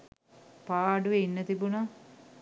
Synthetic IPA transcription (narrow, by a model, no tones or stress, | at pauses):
paːɖuʋeinːət̪ibuna